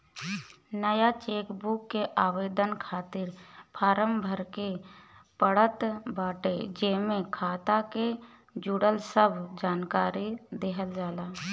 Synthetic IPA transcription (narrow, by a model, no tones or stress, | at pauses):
nəjat͡ʃeːkbukːeʔaːʋeːd̪ənkʰaːt̪ɪɾpʰaːɾəmbʱəɾkepəɽət̪baːʈed͡ʒeːmẽkʰaːt̪ake | d͡ʒuɽəlsəbʱd͡ʒaːnkaːɾid̪eɦəld͡ʒaːlaː